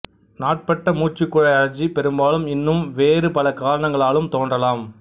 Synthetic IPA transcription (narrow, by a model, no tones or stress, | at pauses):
naːʈ̚pɐʈːɐmuːt͡ʃɪkːɯɻɐɐlɐd͡ʒipɛɾɯmbaːlɯmɪnːɯmʋeːrɯpɐlɐkaːɾɐɳɐŋɡɐɭaːlɯmt̪oːndrɐlaːm